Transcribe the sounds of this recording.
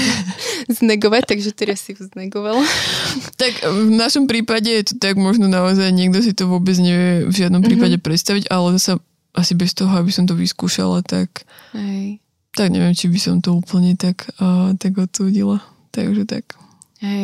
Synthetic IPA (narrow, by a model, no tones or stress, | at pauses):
znɛɡɔʋac̚t̪aɡʒɛt̪ɛɾasiznɛɡɔʋal | t̪akvnaʃɔmpɾiːpaɟɛjɛt̪ɔt̪aɡmɔʒnɔnaɔzajɲɛɡd̪ɔs̬it̪ɔʋʊɔbɛd͡zɲɛʋɛvʒɪad̪nɔmpɾiːpaɟɛpɾɛt̪st̪aʋiɟalɛzasa | ʔasibɛst̪ɔɦɔabisɔmt̪ɔʋḭskuːʃa̰lat̪a̰k | ɦɛj | tt̪aɡɲɛ̰ʋɛmt͡ʃibisɔmt̪ɔuːpl̩ɲɛt̪akːt̪aɡɔt̪uːɟila | t̪a̰ɡʒɛt̪a̰k | hɛ